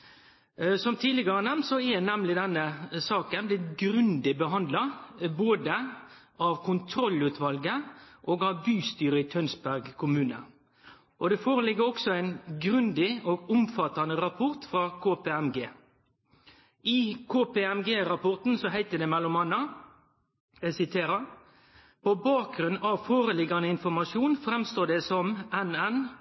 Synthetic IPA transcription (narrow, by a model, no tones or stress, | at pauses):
sɔmt̪ʰiːlɪɡəʁənɛmnsɔɛnɛmlɪd̪ɛnːəsɑːkənblɪɡɾʉnd̪ɪbəɦɑnd̪lɑboːd̪ə | ɑʋkʰʊnt̪ʰɾɔlʉːt̪ʰʋɑlɡəʔoːɡɑʋbyːst̪yːɾəɪt̪ʰœnsbæʁɡkʰʊmʉːnə̰ | ʔɔd̪ɛfoːʁəlɪɡːəɔksɔæɪnɡʁʉnd̪ɪoːɡʊmfɑt̪ːɑnəʁɑpʰʊʁt̪fɾɑːkʰoːpeɛmɡeː | ɪkʰoːpeːɛmɡeːɾɑpʰɔʁt̪n̩sɔɦæɪt̪əd̪ɛːmɛlʊmɑnːɑ | əsɪt̪ʰeːɾə | pɔbɑːk̚ɡɾʉnːɑʋfoːɾəlɪɡːɑnəɪnfɔmɑʃjuːnfɾɛmst̪oːd̪ɛsɔmɛnɛn